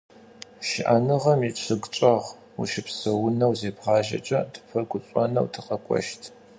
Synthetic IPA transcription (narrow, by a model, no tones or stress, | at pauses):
ʃɪʔanɨʁɐmiʈ͡ʂʰɨɡt͡ʃʼɐʁ | ṵʃɪpsɐwʊnɐwzeːbʁɑːʒɐ̰t͡ʃʼɐdʰɨ̥pʰɐɡʷʊɕʼɔnɐ̰wtʰɨqɐkʷʼɔ̰ʃtʰ